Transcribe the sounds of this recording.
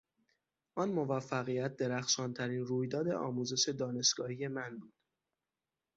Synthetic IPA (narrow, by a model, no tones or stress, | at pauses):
ʔɒnmo̞væfːæɣijæt̪̚d̪e̞ɾæxʃɒːnt̪ʰæɾiːnruːjd̪ɒːd̪e̞̰ʔɒ̰ːmuːze̞ʃe̞d̪ɒːne̞ʃɡ̥ɒːhije̞mænbuːd̪̥